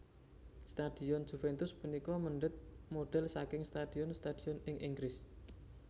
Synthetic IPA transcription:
st̪ad̪̥i̤ɔnd͡ʒ̥ufɛnt̪ʊspunikɔməɳɖət̪̚moɖ̥ɛlsakɪŋst̪ad̥̪i̤ɔnst̪ad̪̥i̤ɔnɪŋʔiŋɡɾɪs

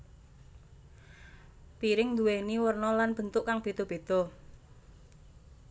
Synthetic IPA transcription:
piɾɪŋnd̪uweniwərnɔlanb̥ənt̪ʊʔkaŋb̥e̤t̪ɔb̥e̤t̪ɔ

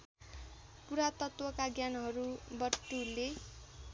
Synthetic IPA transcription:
puɾat̪ʌt̪wʌkaɡjanɦʌɾubʌʈːule

